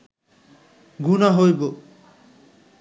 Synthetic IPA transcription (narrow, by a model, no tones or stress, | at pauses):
ɡunaɦojbo